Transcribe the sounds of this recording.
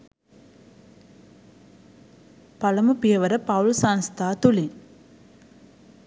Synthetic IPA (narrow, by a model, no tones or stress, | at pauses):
pɐlɐmupijɐʋɐɾəpɐwlsanst̪ʰaːt̪uliŋ